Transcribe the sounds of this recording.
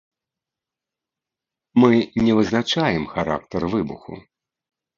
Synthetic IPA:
mɨnʲɛvɨznat͡ʂajɛmxaɾa̰k̚t̪ɐrvɨbṵxṵ

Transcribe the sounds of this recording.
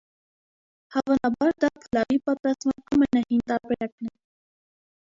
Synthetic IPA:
hɑvɑnɑbɑɾd̪ɑkʰəlɑɾipɑt̪ɾɑst̪mɛɑmɛnɑhint̪ɑɾbɛɾɑknɛɾ

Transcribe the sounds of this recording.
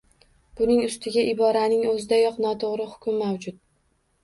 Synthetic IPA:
b̥ʊnɪŋʊst̪ʰɪɡʲaʔɪbɒɾanɪŋɵzɪd̪ajɒqnɒt̪ʰoʁɾɪhʊ̥kʲʊmːawd͡ʒʊt̪̚

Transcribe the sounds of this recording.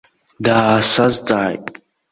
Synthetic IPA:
daːsazt͡sʼaːjtʼ

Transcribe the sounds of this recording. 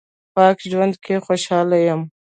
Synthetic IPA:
pɑːkd͡ʒwand̪kʰexoʃɑːlajəm

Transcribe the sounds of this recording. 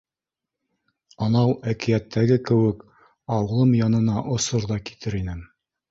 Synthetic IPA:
ɑnɑwʔækijæt̪ʰːæɡɘkɘ̆wɘk | ɑw̆lˠɤmjɑnɤ̆nɑʔŏsoɾðɑki̥t̪ʰɘɾinɘm

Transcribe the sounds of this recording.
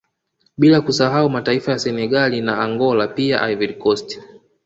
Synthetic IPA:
ɓilakusaɦaumataifajasɛnɛɠalinaːŋɡɔlapia̰ʔajvidkɔst

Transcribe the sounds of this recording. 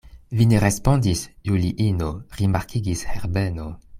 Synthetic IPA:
vineʁespõndisjuliʔinoʁimaʁkʰiɡisheʁdeno

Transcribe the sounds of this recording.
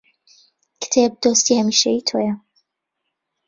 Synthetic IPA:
kɨ̥t̪ʰeb̚d̪ost̪iːhɐmiːʃeit̪ʰo̰ːjɐ

